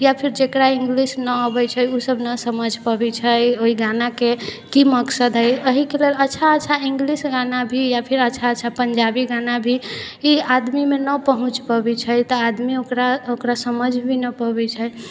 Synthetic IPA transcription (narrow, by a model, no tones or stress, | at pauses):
japʰiɾd͡ʒekɾaĩŋɡlisnəəbət͡ʃʰəjusəbʱnəsəməd͡ʒʱpəbɛt͡ʃʰəjoiɡanakekiməksəd̪ɦəjəɦikelelətːt͡ʃʰaətːt͡ʃʰaiŋɡlisɡanabʱijapʰiɾətːt͡ʃʰaət͡ʃʰapənd͡ʒabiɡanabʱi | iad̪mimenəpəɦũt͡ʃpəbit͡ʃʰəjt̪ɔad̪miokɾaokɾasəməd͡ʒʱbʱinəpəbɛt͡ʃʰəj